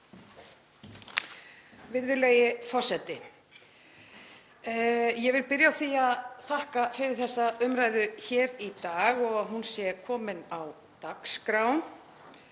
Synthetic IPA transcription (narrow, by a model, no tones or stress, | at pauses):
vɪɾðʏlejɪfɔr̥sɛt̪ɪ | jɛvɪlpɪɾjawθiaðθahkafɪɾɪɾ̥θɛsːaʏmɾaːjðʏçɛːɾit̪aːɣɔɣaðɦunsjɛkʰɔːmɪnaw | t̪akskɾawn